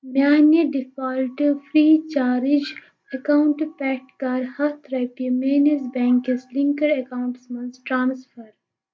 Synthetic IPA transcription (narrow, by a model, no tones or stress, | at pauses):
mjaːneɖɪfaːlʈfɾiːt͡ʃaːɾɪd͡ʒ | ɐkawʊɳʈpɛːʈkaːɾhɐt̪ʰɾɐpiɐmeːnesbɛ̃ːŋkeslĩŋkəɾɐkaːwʊ̃ɳʈsmɐ̃nsʈɾãːnsfəɾ